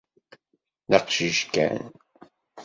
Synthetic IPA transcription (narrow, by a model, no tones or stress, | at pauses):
nɑqʃiʒkæ̰n